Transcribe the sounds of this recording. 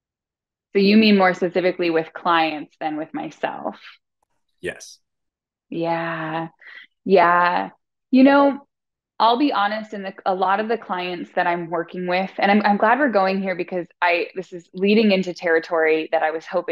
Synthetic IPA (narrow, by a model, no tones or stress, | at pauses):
soʊjɨmĩnmɔɹspɨsɪfɨkliwɪð̥kʰl̥aɪɨ̃ntsðɨ̃nwɨðmaɪsɛ̰lˠf | jɛ̰s | jæ | jæ | jɨnoʊ | ʔaɪlˠbiʔɑnɨstɨ̃nðɨəlɔɾʌvðɨkʰl̥aɪɨ̃ntsðɨɾãɪ̃mwɜ˞kɪ̃ŋwɪð̥ɨ̃ñãɪ̃mãɪ̃mɡlæd̚wɨɹɡoʊɪ̃ŋhiɹbɨkʰʌzaɪðɪsɨzliɾɪ̃ŋɪ̃ntʉtʰɛɹɨtʰɔɹiðɨɾaɪwʌz̥hoʊpɪ̃